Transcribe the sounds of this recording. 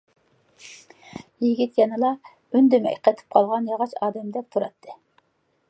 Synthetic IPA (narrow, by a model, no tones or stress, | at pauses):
jiɡʲit̪jɑnɨlˠɑ | ynd̪ymɛ̰qʰɛt̪ʰɪ̥p̚qʰɑlˠʁɑnjɑʁɑt͡ʃɑːd̪ɛmd̪ɛk̚ʲt̪ʰuɾɑt̪ʰːɨ